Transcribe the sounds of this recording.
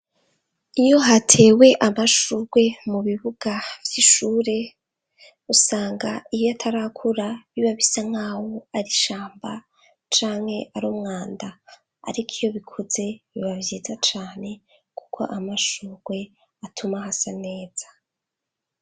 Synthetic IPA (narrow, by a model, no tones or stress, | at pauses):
ijo̞ɦatʰe̞ːwe̞ʔamaʃuɾɡwe̞muβiβuɡ̥avjiʃuːɾe̞ | usaːŋɡaijoatʰaɾakʰuɾaβiβaβisaŋ̥haːwoaɾiʃaːmba | t͡ʃaːŋhe̞ʔaɾumŋaːnda | a̰ɾikʰijo̞βikʰuze̞βiβavjiːzat͡ʃaːne̞ | ku̥kʰo̞̰ʔamaʃuːɾɡwe̞ | atʰumaɦasane̞ːz̥a